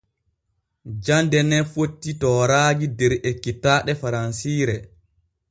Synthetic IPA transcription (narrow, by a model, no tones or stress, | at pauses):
d͡ʒandɛnɛfotːitɔːɾaːd͡ʒidɛɾekːitaːɗɛfaɾansiːɾɛ